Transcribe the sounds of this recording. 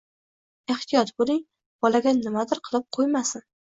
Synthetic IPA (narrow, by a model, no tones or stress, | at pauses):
e̞ht̪ʰɪjɒt̪bolˠɪŋ | b̥ɒlaɡʲanɪmad̪ɪɾqʰɨlˠɪp̚qʰojmasɪn